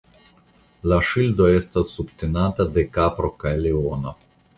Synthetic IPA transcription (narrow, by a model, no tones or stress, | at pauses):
laʃild̪oaest̪asubt̪enat̪ad̪ekapɾokaeleona